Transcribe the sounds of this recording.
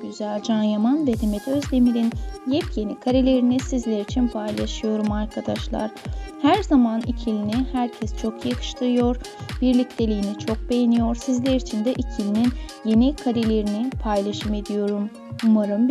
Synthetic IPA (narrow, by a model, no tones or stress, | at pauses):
yzælʲd͡ʒanjamanb̪ed̪ʰemet̪øzd̪e̞miɾinjɛpje̞nikʰaɾelʲe̞ɾinisizlʲeɾit͡ʃʰinpʰajlˠaʃɯjo̞ɾumaɾkʰad̪aʃlˠa̰ɾ̥hæɾzamanicʰilʲinihæɾcʰɛst͡ʃʰo̞kʰjakʰɯ̥ʃt̪ʰˠɯɾɯjo̞ɾ | biɾlʲict̪ʰe̞lʲijːinit͡ʃʰo̞k̚be̞jenijo̞ɾsizlʲeɾit͡ʃʰind̪ɛʔicʰilʲininje̞nikʰaɾelʲe̞ɾinipʰajlˠaʃɯmed̪ijo̞ɾum | umaɾɯm